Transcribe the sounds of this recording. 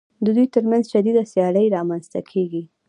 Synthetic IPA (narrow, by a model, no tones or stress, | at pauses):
d̪əd̪ujt̪əɾmanzʃad̪id̪asjɑɽəjɾɑmanzt̪akʰeɡi